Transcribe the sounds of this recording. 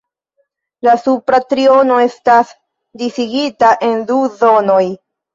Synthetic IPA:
lasupɾatɾio̞no̞e̞stas | disiɡitaʔe̞nduzo̞no̞j

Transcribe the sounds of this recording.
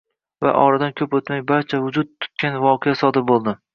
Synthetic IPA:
va̰ʔɒɾad̪ankʲʰɵpot̪majbaɾt͡ʃʰavʊd͡ʒʊt̪̚t̪ʰːʊ̥t̪̚kʲanvɒqʰejasɒd̪ɪɾbolˠd̪ɪ

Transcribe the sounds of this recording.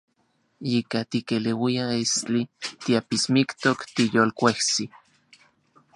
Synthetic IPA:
ikat̪ikelewiaestit̪iapismikt̪okt̪ijoːlkʷeht͡si

